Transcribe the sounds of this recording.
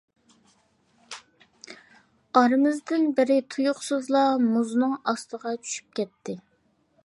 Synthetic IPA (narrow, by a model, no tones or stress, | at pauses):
ɑɾɨmɪzd̪ɪnbɪɾɪt̪ʰujʊχsɨzlˠɑmuznɨŋɑst̪ʰəʁɑt͡ʃʰy̥ʃy̥p̚kʲɛt̪ʰːɪ